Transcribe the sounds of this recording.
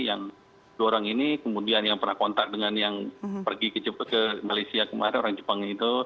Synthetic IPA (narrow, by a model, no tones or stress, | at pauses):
jaŋ | duoɾaŋinikəmudianjaŋpərnahkɔnt̪ak̚dəŋanjaŋpərɡikət͡ʃəkəmalajsiakəma̰ɾɛnoɾaŋd͡ʒəpaŋit̪u